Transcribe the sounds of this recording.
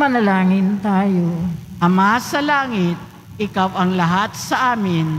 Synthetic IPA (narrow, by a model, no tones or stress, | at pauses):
mɐlɐlaːŋɪnt̪aːjoʔɐmasɐlaːŋɪt̪̚ | ʔɪkawɐŋlɐɦat̪̚sɐʔaːmɪn